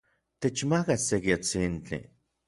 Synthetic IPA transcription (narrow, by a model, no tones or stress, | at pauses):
t̪et͡ʃmakasekjat͡sint͡ɬḭ